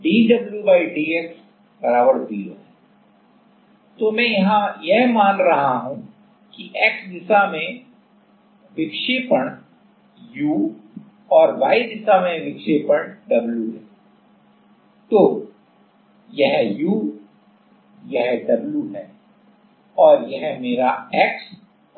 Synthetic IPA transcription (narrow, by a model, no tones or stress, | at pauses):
ɖiːɖɐbljuʋaːiɖiːeks | bɐɾaːʋəɾbijo̰ɦɛː | t̪omɛ̃ːjɐɦãjɛɦmaːnɾɐɦaɦũ | kiʔeːksd̪ɪsamẽ | ʋɪkʃeːpəɳ | juː | ɔːɾʋaːid̪ɪsamẽʋɪkʃeːpəɽɖɐbljuɦɛː | t̪oː | jɛɦjuː | jɐɦɖɐbljuɦɛː | ɔːɾjɐɦmeːɾaɛːks